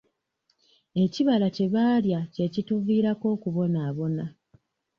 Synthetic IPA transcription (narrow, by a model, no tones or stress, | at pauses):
e̞ciβalace̞βaːljace̞cituviːɾako̞ːkuβo̞naːβo̞na